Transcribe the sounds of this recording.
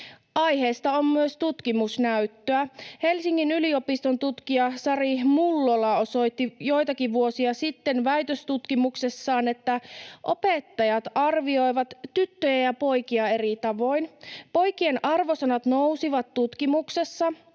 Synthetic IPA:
ʔɑjɦe̞ːst̪ɑo̞mmyøst̪ut̪kimusnæyt̪ːøæhe̞lsiŋːinylio̞pist̪o̞nt̪ut̪kiɑsɑɾihmulːolɑo̞so̞jt̪ːijo̞jt̪ɑkiʋʋuo̞siɑsit̪ːe̞nʋæjt̪øst̪ut̪kimuksesːɑːne̞t̪ːæʔo̞pe̞t̪ːɑjɑt̪ɑrʋio̞jʋɑt̪ːyt̪ːøjæjɑpo̞jkiɑe̞rit̪ɑʋo̞jnpo̞jk̟ie̞nʔɑrʋo̞sɑnɑt̪no̞usiʋɑt̪ːut̪kimukse̞sːɑ

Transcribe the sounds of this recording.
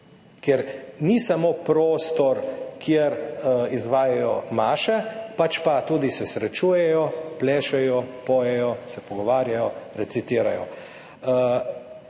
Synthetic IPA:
kɛɾnisamoːpɾoːst̪ɔɾkʰjeɾizʋaːjajɔmaːʃɛpat͡ʃpat̪uːd̪isɛsɾɛt͡ʃuːjɛjɔplɛːʃɛjɔpoːjɛjɔsɛpɔɡɔʋaːɾjajɔɾɛt̪sit̪iːɾajɔ̰

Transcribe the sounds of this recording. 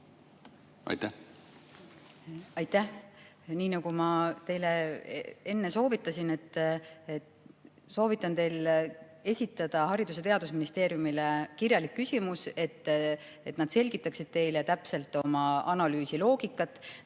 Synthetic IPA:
ɑ̰jt̪æh | ɑjt̪ːæh | niːnɑɡumɑt̪e̞jle | e̞nːeso̞ːvit̪ːˑɑsine̞t̪ːˑe | so̞ːvit̪ːˑɑnt̪e̞jl | e̞sʲit̪ːˑɑd̪̥ɑɦɑɾid̪us̬e̞t̪e̞ɑd̪̥usminist̪e̞ːɾjumilekirjɑlikːysimuse̞t̪ː | et̪nɑd̪̥se̞lʲɡit̪ːˑɑksid̪̥̚t̪e̞jlet̪æpse̞lt̪ːˑo̞mɑɑnɑlyːsilo̞ːɡ̥ikːˑɑt̪ːˑ

